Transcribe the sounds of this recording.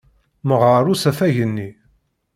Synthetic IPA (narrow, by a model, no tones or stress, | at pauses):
məʁəɾˤusæfæʝənːi